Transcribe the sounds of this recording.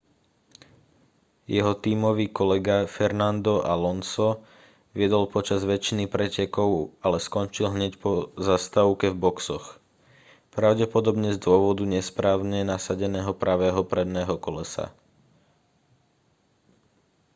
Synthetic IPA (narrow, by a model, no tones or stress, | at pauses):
jɛɦɔt̪iːmɔʋiːkɔlɛɡafɛɾnand̪ɔʔalɔnsɔ | ʋɪɛd̪ɔlpɔt͡ʃazʋɛt͡ʃinipɾɛcɛkɔʊalɛskɔnt͡ʃilɦɲɛcpɔzast̪aʊkɛvbɔksɔx | pɾaʊɟɛpɔd̪ɔbɲɛzd̪ʊɔʋɔd̪uɲɛspɾaːʊɲɛnasaɟɛnɛːɦɔpɾaʋɛːɦɔpɾɛd̪nɛːɦɔkɔlɛsa̰